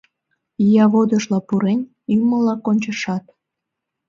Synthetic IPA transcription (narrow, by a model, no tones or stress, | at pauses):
ijɑβod̪əʃlɑpuɾen | yməlɑkonʲt͡ɕəʃɑt̪